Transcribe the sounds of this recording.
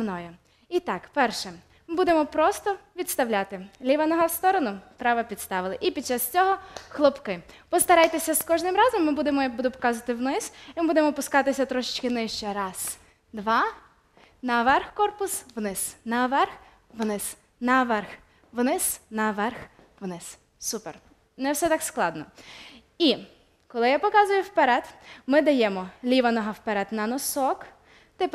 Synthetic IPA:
nɔjʊ | it̪ɑkpɛrʃɛ | mɪbud̪emɔpɾɔst̪ɔʋʲit̪st̪ɐwlʲat̪ɪlʲiʋɐnɔɦɐwst̪ɔɾɔnʊp̪ɾɑʋɐpʲid̪st̪ɑʋɪlˠɪʔipʲid̪̚t͡ʃɑst͡sʲɔɦɔxlˠɔpkɪpɔst̪ɐɾɑjt̪esʲɐskɔʒnɪmɾɑzɔmːɪbud̪emɔjbud̪ʊpɔ̥kɑzʊʋɐt̪ɪwnɪsimɪbud̪emɔpʊskɑt̪ɪsʲɐt̪ɾɔʃɪt͡ʃkɪnɪʃt͡ʃɛɾɑs | d̪ʋɑ | nɐʋɛrxkɔrpʊsʋnɪsnɐʋɛrx | ʋnɪs | nɐʋɛrx | ʋnɪsnɐʋɛrx | ʋnɪs | supḛr | nɛwsɛt̪ɑksklˠɑ̰d̪nɔ | i | kɔlˠɪjapɔkɑzʊjʊwpɛɾɛd̪mɪd̪ɐjɛmɔlʲiʋɐnɔɦɐwpeɾɛd̪nɐnɔsɔk | t̪ɪp

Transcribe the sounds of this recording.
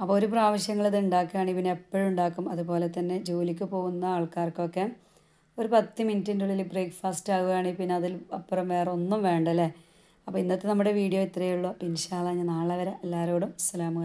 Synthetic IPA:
ɐpːooːɾup̬raːʋɐɕjɐŋːɐɭeðuɳɖaːkːujaːɳipinːeepːoɻuɳɖaːkːumɐðupo̞ːle̞t̪ːɐnːe̞d͡ʑuːlikʲːupo̞ːɣunːɐaːɭkaːrkːokːe | oɾupɐt̪ːjɐmintːinduɭilbreːkfaːstaːɣuɣaːɳipinːeɐðilɐpːɐrɐmʋe̞ːreo̞nːumʋe̞ːɳɖɐlːe | ɐpːoːinːɐt̪ːenɐmːuɽe̞ʋiːɽijo̞it̪ːrɐjuɭːoːpinɕaːlɐːɲːɐnaːɭɐʋɐɾɐʔelːaːɾo̞ːɽumsɐlaːmuɣɐ

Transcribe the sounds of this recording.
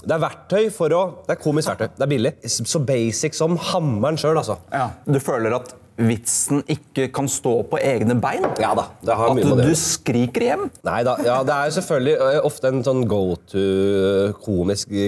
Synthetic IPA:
d̪ɛæɾʋæʈʰːœʏfɔɾɔd̪ɛæɾkʰuːmɪskʋæʈʰːœʏd̪ɛæɾbɪlːɪsɔbeɪsɪksɔmhɑmːæɳʂøːɑsɔ̰d̪ʉføːləɾɑt̪ | ʋɪt̪sn̩ʔɪkːəkʰɑnst̪oːpʰɔʔeːɡnəbæɪnjɑːd̪ɑd̪ɛhɑɾmyːɔd̪ʉskɾiːkəɾjɛmːnæ̰ɪd̪ɑjɑːd̪ɛæɾjʊsɛlfœlɡ̪lɪɔft̪əɛnsɔnːɡɔʊt̪ʰʉ | kʰuːmɪsk

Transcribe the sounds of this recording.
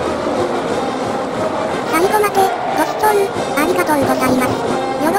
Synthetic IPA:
saiɡomat̪e | d̪̥osɯ̥t̪onɯ | aɾʲiɡat̪ond̪osaimasɨ̥ | joɾo

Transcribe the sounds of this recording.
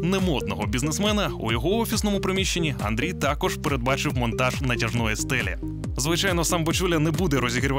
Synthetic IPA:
nɛmɔd̪̚nɔɦɔbʲiznesmɛnɐṵjɔɦɔɔfʲisnɔmʊpɾɪmʲiʃt͡ʃːenʲiɐ̰nd̪ɾʲijt̪ɑkɔʒ̥peɾed̪̚bɑt͡ʃɪwmɔnt̪ɑʒnɐtʲɐʒnɔjɛst̪ɛlʲɛ̰ | zʋɪt͡ʃajnɔsɑmbɔt͡ʃulʲɐnɛbud̪ɛɾɔzʲiɦɾʲʋ

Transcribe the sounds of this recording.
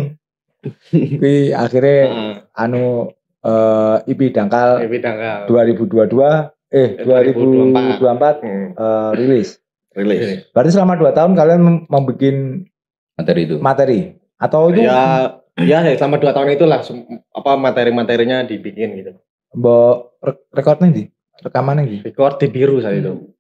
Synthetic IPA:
pia̰xirɲaanu | əːipidaŋkalidaŋkald̥uaɾibuduadua | ɪhdd̥uaɾibuduampat̪̚ərilɪs | rilɪsb̥aɾt̪isəlamaduat̪aɦʊnkalianməmbikɪn | mat̪ɛɾit̪umat̪ɛɾi | at̪awit̪uja | jasəlamaduat̪aɦʊnɲit̪ulahsŋa̰pamat̪eɾimat̪eɾiɲadibikɪnɡit̪u | bɔr | rekɔrt̪̚ɲadi | rəkamanad͡ʒirekɔrt̪̚dibiɾusait̪u

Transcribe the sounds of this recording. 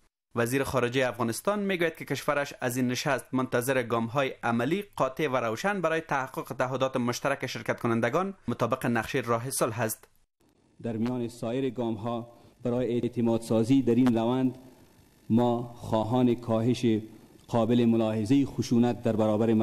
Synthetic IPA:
vaziɾɪxɔɾɪd͡ʒajafɣɔnɪst̪ɒnmeɡojat̪̚kɪkɪʃwaɾaʃazinːɪʃast̪̚mʊnt̪azɪɾɪɡɒmɦɔjɪʔamaliqɒt̪evaɾawʃanbaɾɔjɪt̪ahaqːʊqɪt̪aːɦʊd̪ɔt̪ɪmʊʃt̪aɾakɪʃɪɾkat̪̚kʊnand̪aɡɔnmʊt̪ɒbɪqɪnaqʃeɾɒɦɪsʊlɦast̪ | d̪aɾmijɔːnɪsɔːjɪɾɪɡɑmɦɔ | baɾɔːjeet̪ɪmɑd̪sɑːzid̪aɾinɾawand̪ | mɔxɔːɦɑːnɪkʰɔːɦɪʃeqʰɔːbɪlɪmʊlɑːhɪzaixʊʃunat̪̚d̪aɾbaɾɔːbaɾɪ

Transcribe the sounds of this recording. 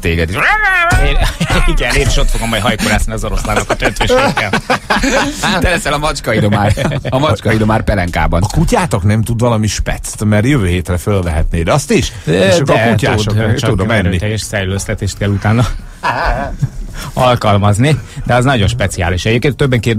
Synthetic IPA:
t̪eːɡɛd̪iʃ | iɡɛleːɾiʃo̞t̪foɡɒmɔjɦɒjkoɾaːzniɒzoɾoslaːnokɒt̪øt̪ʋeʃʃekːɛl | t̪ɛlɛsɛlɒmɒt͡ʃkɒid̪omaːrɒmɒt͡ʃkɒid̪o̞maːrpɛlɛŋka̰ːbɒnɒkucaːt̪oknɛmt̪ud̪vɒlɒmiʃpɛ̰t̪st̪mɛrjøvøːɦeːt̪rɛfølvɛɦɛt̪neːd̪ɛɒst̪iʃd̪ɛkucaːt̪ud̪mɛnːit̪ɛjɛʃsɛɾløst̪ɛt̪eːʃt̪kɛlːut̪aːnːɒ | ɒlkɒlmɒznid̪ɛɒznɒɟo̞nʃpɛt̪sia̰ːliʃɛɟeːp̚keːnt̪ːøbːɛŋkeːrd̪

